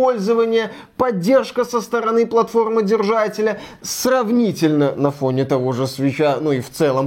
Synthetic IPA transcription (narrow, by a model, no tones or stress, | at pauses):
o̞lʲzəvənʲɪjə | pɐdʲːe̞rʂkəsəst̪əɾɐnɨplˠɐt̪fo̞rmɨdʲɪrʐatʲɪlʲəsrɐvnʲitʲɪlʲnənɐfo̞nʲɪt̪ɐvo̞ʐɨsvʲɪt͡ɕanuift̪sɛlˠəm